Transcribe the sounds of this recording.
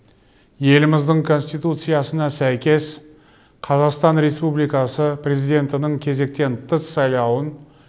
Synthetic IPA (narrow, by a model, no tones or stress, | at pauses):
je̞lɪmɪzd̪ɪɴkʰo̞nsʲt̪ijt̪ut̪sɨjasənɑsæjkʲe̞s | qʰɑzɑqst̪ɑnɾe̞spublijkɑsəpʰɾe̞zijd̪e̞nt̪ɪnəɴkʲʰe̞ze̞k̚t̪e̞nt̪ʰəsːɑjlˠɑwən